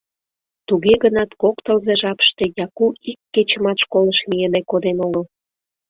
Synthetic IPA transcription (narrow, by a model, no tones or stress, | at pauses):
t̪uɣeɣənɑt̪kokt̪əlzeʒɑpə̥ʃt̪e̽jɑkuikːet͡ɕə̆mɑt̪ʃkoləʃmielekod̪enoɣəl